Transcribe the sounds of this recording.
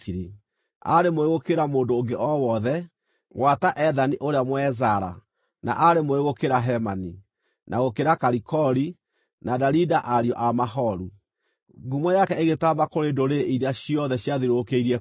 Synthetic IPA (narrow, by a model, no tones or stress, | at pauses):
iɾi | a̰ɾemoeɣokeɾamoːndoːŋɡeʔɔwɔðɛ | wataʔɛðaniʔoɾeamwɛzaɾa̰ | na̰ʔaɾemoeɣokeɾaɦɛmani | nʔaɣokeɾakaɾikʰɔɾi | nadaɾidaʔaɾiɔʔamaɦɔɾu | ɡumwajakɛeɣetaβakoɾedoɾeiɾeaɕiɔðɛɕjaðiɾokeiɾɛ